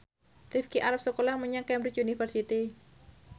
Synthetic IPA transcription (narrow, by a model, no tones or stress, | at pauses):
rifkiʔaɾap̚səkolahməɲaŋkɛmbɾit͡ʃunifərsit̪i